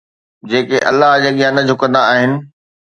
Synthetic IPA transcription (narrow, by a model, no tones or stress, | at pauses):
d͡ʑeːkeʔɐ̰lːaɦd͡ʑaːɠijãnəd͡ʑʱʊkə̃nd̪aaːɦɪnɪ̆